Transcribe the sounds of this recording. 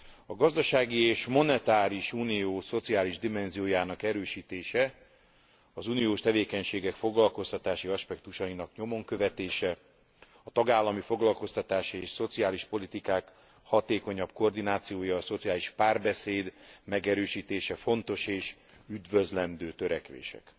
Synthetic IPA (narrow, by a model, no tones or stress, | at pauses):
ɒɡɒzd̪ɒʃaːɡieːʃmo̞nɛt̪aːɾiʃuːnijoːso̞t̪siaːliʒd̪imɛnzijoːjaːnɒkɛɾøːʃiːt̪eːʃɛ | ɒzuːnijoːʃt̪ɛveːkɛɲʃeːɡɛkfo̞ɡlɒlko̞st̪ɒt̪aːʃiɒʃpɛkt̪uʃɒinɒkɲo̞mo̞ŋkøvɛt̪eːʃɛ | ɒt̪ɒɡaːlːɒmifo̞ɡlɒlko̞st̪ɒt̪aːʃieːʃso̞t̪siaːliʃpo̞lit̪ikaːk | hɒt̪eːko̞ɲɒbko̞rd̪inaːt̪sijoːjɒːso̞t̪siaːliʃpaːrbɛseːd̪mɛɡɛɾøːʃiːt̪eːʃɛfo̞nt̪o̞ʃeːʃyd̪vøzlɛnd̪øːt̪øɾɛkʋḛːʃɛ̰k